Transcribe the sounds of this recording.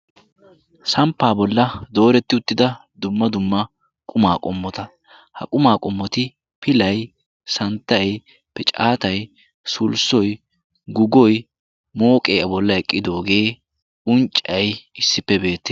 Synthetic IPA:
sɐmpːaːbɔlːɐd̪o̞ːɾɛt̪ːɪʊt̪ːɪd̪ɐd̪ʊmːɐd̪ʊmːɐ | kʼʊmaːkʼɔmːɔt̪ɐ | hɐ̰kʼʊmaːkʼɔmːɔt̪ɪ | pɪlɐj | sɐnt̪ːɐj | pɛt͡ʃʼaːt̪ɐj | sʊlsɔj | ɡʊɡɔj | moːkʼeːʔɐbɔlːɐɛkʼːɪd̪o̞ːɡe̞ː | ʊnt͡ʃʼːɐjɪsːɪpːɛbe̞ːt̪ːɪ

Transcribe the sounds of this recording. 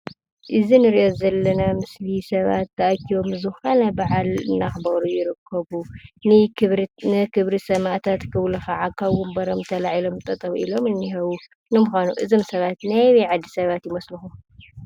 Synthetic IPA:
ʔɨzinɨɾiʔozɐlːɐnamɨslisɐβa̰t̪ːɐʔakʰiβomɨzɨanajbaʕalɨ̰nːaxbɐɾujɪɾɨkʰːɐβunɨnɨkʰɨβɾisɐmaʔt̪ʰat̪kʰɨβlɐxaʕakʰaβɡumbɐɾomt̪ʰɐlaʕilo̞mt̪ʼɐt̪ʼɐβilo̞mɨnːiɦɐβu | nɨmuxanuʔɨzomsɐβat̪najβiʕad̪ːisɐβat̪jɪmɐslɨxu

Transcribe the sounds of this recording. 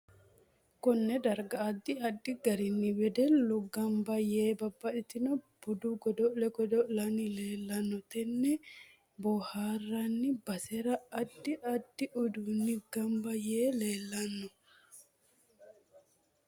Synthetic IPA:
kɔnːɛd̪ɐɾɡɐːd̪ːɪɐd̪ːɪɡɐɾɪnːɪwɛd̪ɛlʊɡɐmbɐjeːbɐbːɐᶑɪt̪ɪnɔb̥ʊd̪ʊɡɔd̪ɔʔlɛɡɔd̪ɔʔlɐnɪleːlːɐnːɔt̪ɛnːɛ | bɔhaːrːɐnːɪbɐsɛɾɐɐd̪ːɪʔɐd̪ːɪʔʊd̪unːɪɡɐmbɐjeːle̞ːlːɐnːɔ

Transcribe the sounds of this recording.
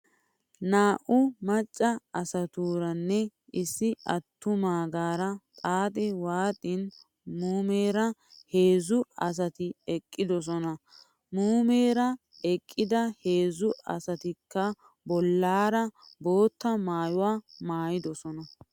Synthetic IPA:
naːʔʊmɐt͡ʃʼːɐɐsɐt̪uːɾɐnːɛɪsːɪʔɐt̪ːʊmaːɡaːɾɐt̪ʼaːt̪ʼɪwaːt̪ʼɪn | muːmeːɾɐhe̞ːzʊɐs̬ɐt̪ɪɛkʼːɪd̪ɔs̬ɔnɐ | muːmeːɾɐ | ɛkʼːɪd̪ɐheːzʊɐ̰sɐt̪ɪkʰːɐ | bɔlːaːɾɐbo̞ːt̪ːɐmaːjʊwaːmaːjɪd̪ɔsɔnɐ

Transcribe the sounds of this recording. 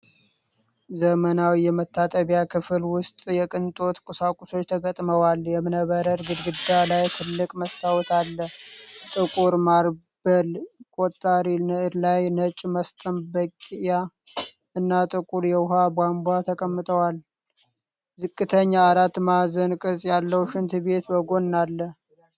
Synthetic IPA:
zəmənawijɛmət̪ːat̪ʼəβjakʰɨfɨlwʊst̪ʼjɛkʼɨnt̪ʼo̞t̪kʼusakʼuso̞t͡ʃːt̪ʰəɡət̪ʼməwaljɛmɨnəβəɾəɾɡɨd̪ɡɨd̪ːalajt̪ʰɨlːɨkʼməst̪ʰawt̪ʰalːət̪ʼɨkʼuɾmaɾ | bəlkʼot̪ʼːaɾinəʔɨɾlajnət͡ʃʼːməst̪ʼəmbəkʼija | ɨnːat̪ʼɨkʼuɾjɛwɦabambʷat̪ʰəkʼəmːɨt̪ʼʰəwal | zɨkʼːɨt̪ʰəɲːaːɾat̪ːmazənkʼɨsʼjalːəwʃɪnt̪ʰɨbe̞t̪bəɡo̞nːalːə

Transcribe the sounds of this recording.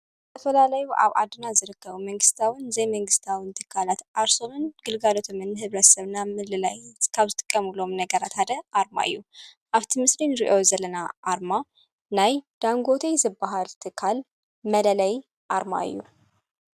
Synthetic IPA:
bbət̪ʰəfəlalajuʔa̰βʔa̰d̪ɨnazɨɾɨkːəβuməŋɡɨst̪ʰawɨnzejməŋɡɨst̪ʰawɨnt̪ʰɨ̥kʰalat̪ʔaɾso̞mɨnɡ̥ɨlɡalot̪ʰomɨnhɨβɾət̪səβɨnːamɨlɨlajkʰaβzɨt̪ʼɨkʼːəmulomnəɡəɾat̪ʰad̪əʔaɾma̰jːuʔaβt̪ʰɨmɨslinɾiʔo̞zələnaʔaɾma | najd̪̥aŋɡo̞t̪ʰezɨbːaɦalt̪ʰɨkʰal | mələlɐj | ʔaɾma̰jːṵ

